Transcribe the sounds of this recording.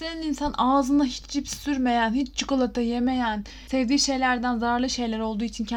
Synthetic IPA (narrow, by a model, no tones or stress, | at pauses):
senininsanʔaːzɯnaɦit͡ʃd͡ʒipssyɾme̞jænhit͡ʃt͡ʃʰɯkɯlˠat̪ʰɯjeme̞jæn | sɛvd̪iːʃe̞jlʲæɾd̪ænzaːɾlˠɯʃe̞jlʲæɾo̞lˠd̪uːit͡ʃʰincʰ